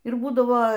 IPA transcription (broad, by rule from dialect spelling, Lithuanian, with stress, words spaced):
ɪr ˈbuːdɐʋoː